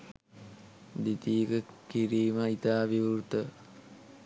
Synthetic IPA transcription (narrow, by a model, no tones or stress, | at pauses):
d̪it̪iəkəkiɾiːməit̪aːʋiurt̪ə